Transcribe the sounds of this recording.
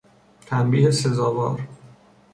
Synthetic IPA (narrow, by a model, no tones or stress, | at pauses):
t̪ʰæmbiːd̪esezɒːvɒ̰ːɾ